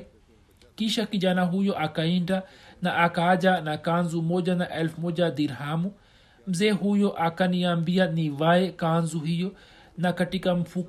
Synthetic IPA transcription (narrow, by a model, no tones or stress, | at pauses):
kiʃakid͡ʒanaɦujɔʔakaiɳdanaʔːkad͡ʒanakanzumɔd͡ʒanaʔɛlfmɔd͡ʒad̪iɾɦamu | m̩zɛːɦujɔʔakaniambianiʋaɛkanzuɦijɔ | nakaʈikam̩fu